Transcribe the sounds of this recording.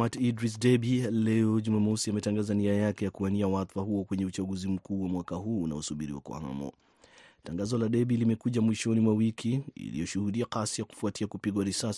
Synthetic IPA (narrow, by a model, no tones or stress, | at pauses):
matidɾis̬dɛbilɛɔʄumamɔsiamɛtaŋɡazaniajakɛjakuaniawaθfahuɔkwɛɲɛut͡ʃaɡuzim̩kuːwamwakaɦuːna̰ɔsuɓiɾiwa̰kwa̰ha̰mɔ̰ | taŋɡazɔlaɗɛɓilimɛkuʄamwiʃɔnimwawikʰiḭlḭjɔʃuhuɗiakasijaku̥fuatiakupiɠwaɾisasi̥